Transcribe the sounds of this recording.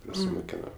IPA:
prɐsʲɪmʊˈkʲæːnoː

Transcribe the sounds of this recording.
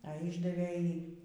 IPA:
ɐ ˈiːʒdɐʋʲeː ˈjiː

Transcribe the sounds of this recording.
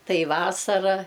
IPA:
ˈtɐɪ ˈʋɑːsɐrɐ

